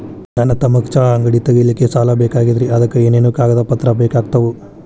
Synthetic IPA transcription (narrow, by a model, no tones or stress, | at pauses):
d͡ʒanɐt̪ɐmɐkt͡ʃaːɐŋɡɐɽit̪ɐɡelikːesaːlɐbɛːkaːɡid̪ɾiɐd̪ɐkːeeːneːnuːkaːɡɐd̪ɐpɐt̪ːɾɐbɛːkaːɡ̚t̪ɐʋu